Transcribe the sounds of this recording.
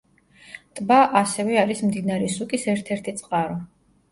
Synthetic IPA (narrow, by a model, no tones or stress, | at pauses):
t̪ʼbaʔasɛvɛaɾismd̪inaɾɛsukʼisɛɾt̪ʰɛɾt̪ʰit̪sʼqʼaɾɔ